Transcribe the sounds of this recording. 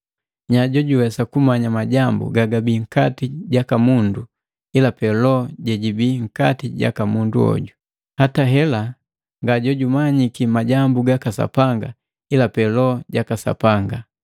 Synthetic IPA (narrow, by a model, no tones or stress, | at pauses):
ɲaɟɔɟuwɛsakumaɲamaɟambṵɡaɡabiŋ̩katiɟakamundu | ilapɛlɔɟɛɟibiŋ̩katiɟa̰kamundṵɔ̰ɟu | hataɦɛla | ŋɡaɟɔɟumaɲikimaɟambuɡakasa̰paŋɡa | ilapɛlɔɟakasa̰paŋɡa